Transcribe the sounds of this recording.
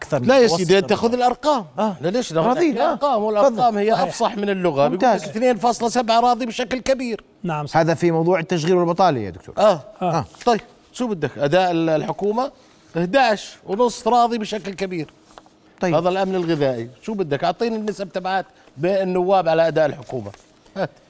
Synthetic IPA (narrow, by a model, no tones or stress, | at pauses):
kˤlajasd̪eːt̪aːxʊðɪlʔɑɾˤqɑːmalaleːʃaɑðiːɾqɑːmwɪlʔɑˤːɑːmhɪjːaʔɑfsˤɑħmɪnɪlːʊɣaɡ̪t̪ːakθneːnfɑːsˤlɑsabʕaɾˤɑːðˤibʃaklkabiːɾ | nhaːðafimɑwðˤuːʕɪt̪ːaʃ̬ɣiːlwɪlbɨt̪ˤɑːlḭja̰d̪ʊkt̪ṵːɾʔaːat̪ˤɑjːb | ʃuːbɪd̪ːakʔad̪aːʔɪlħʊkuːma | ʔɪhd̪aʕʃwnʊsˤfɾˤɑːðˤibɪʃaklkabiːɾ | ɑhaːðalʔamnɪlɣɪðaːʔiʃuːbɪd̪ːakʔʊʕt̪ˤiːnɪnːɪsab̚t̪abʕaːt̪ | bɪnːʊwːaːbʕalaʔad̪aːʔɪlħʊkuːma̰ | haːt̪